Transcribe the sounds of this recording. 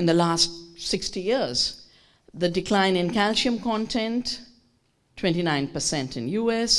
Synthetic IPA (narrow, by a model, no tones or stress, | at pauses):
ɪ̃nd̪əlastsɪkstijiəɾz | d̪ədɪklãɪ̃nɪ̃nkælʃiə̃mkɔ̃nʈʰɛ̃nt | ʈʰw̥ɛ̃nʈinãɪ̃npəsɛ̃ntɪ̃njuːɛs